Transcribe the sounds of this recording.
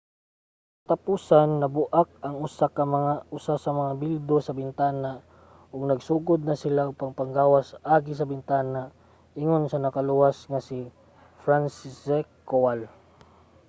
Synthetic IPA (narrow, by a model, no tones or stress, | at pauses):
t̪ɐpuːsanːɐbʊʔak̚ɐŋʊsakɐmɐŋaʔʊsasɐmɐŋabild̪osɐbɪnt̪aːna | ʔʊɡnɐɡsuːɡʊd̪̚nɐsɪlaʊɡ̚pɐŋpɐŋɡaːwasʔaːɡɪs̬ɐbɪnt̪aːna | ʔɪŋonsɐnɐkɐlʊwasŋasi | fɾansisɛkːowal